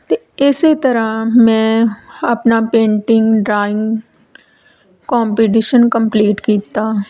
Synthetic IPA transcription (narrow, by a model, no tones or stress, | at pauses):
t̪e | ɪset̪əɾamɛ̃ːɐpnaːpẽːɳʈɪŋɡɖɾaːɪ̃ŋɡ | kɔːmpiʈ̬iʃənkəmpliːʈkiːt̪aː